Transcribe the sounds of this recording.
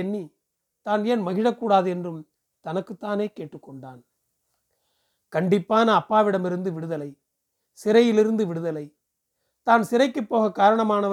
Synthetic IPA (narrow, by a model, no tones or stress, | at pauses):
ɛnːi | t̪aːneːnmɐɣɪɻɐkːuːɽaːðɯɛndrɯm | t̪ɐnɐkːɯt̪ːaːneːkeːʈːɯkːɔɳɖaːn | kɐɳɖɪpːaːnɐːpːaːʋɪɽɐmɪɾɯnd̪ɯʋɪɽɯðɐlɐɪ | sɪɾɐjɪlɪɾɯnd̪ɯʋɪɽɯðɐlɐɪ | t̪aːnsɪɾɐɪkːɯpːoːɣɐkːaːɾɐɳɐmaːnɐʋ